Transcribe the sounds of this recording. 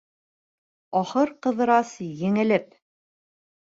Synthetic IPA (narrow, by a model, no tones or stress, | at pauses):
ɒχɤɾqɤ̆ðɤ̆ɾɑsjɘ̆ŋɘ̆lɘp